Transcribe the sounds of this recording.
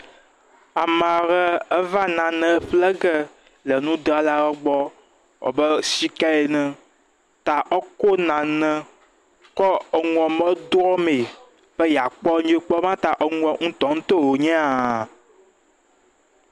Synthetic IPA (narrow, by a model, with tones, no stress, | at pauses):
a˨mã˨ɾɛ˦ə˦va˦nã˨nɛ̃˨˦ɸlɛ˦ɡɛ˦ | lɛ˨nũ˦d̪ɾa˨la˨ɾɛ˦ɡ͡bɔ˦ | ɔ̰˨bə˦si˦ka˦e˨nɛ̃˨ | t̪a˨ʔɔ˦ko˦nã˨nɛ̃˦ | kɔ˦ə˨ŋ˨ɔ̃˨mə̃˦d̪wɔ˦me˨ | ɸɛ˦ja˨k͡pɔ˦ɲ˦e˦k͡pɔ˦mã˦t̪a˨ʔɔ˦ŋũ˦ɔ̃˨ŋũ˦t̪ɔ̃˨˦ŋũ˦t̪o˦˨wo˨ɲɛ̃˦a˨